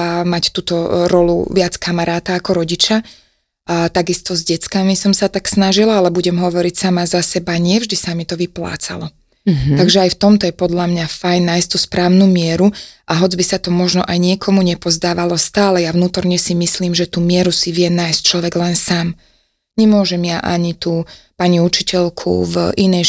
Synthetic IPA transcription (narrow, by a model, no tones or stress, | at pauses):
amact̪uːt̪ɔɾɔlṵʋɪat͡skamaɾaːt̪aːkɔɾɔɟit͡ʃa | t̪aɡist̪ɔzɟɛt͡skamisɔmsat̪aksnaʒilaalɛbuɟɛmɦɔʋɔɾicsamazasɛbaɲɪɛvʒd̪isamit̪ɔʋipla̰ːt͡sa̰lɔ | t̪aɡʒɛajft̪ɔmt̪ɔjɛpɔd̪ʎlamɲafajnːajst̪uspɾaːʊnumɪɛɾuʔaɦɔd͡zbisat̪ɔmɔʒnɔʔajɲɪɛkʰɔmuɲɛpɔzd̪aːʋalɔst̪aːlɛjavnuːt̪ɔɾɲɛsimisliːmʒɛt̪uːmɪɛɾusiʋɪɛnajst͡ʃlɔʋɛɡlɛnsaːm | ɲɛmʊɔʒɛmjaʔa̰ɲit̪uːpaɲiut͡ʃicɛʎkʰṵvʔinɛj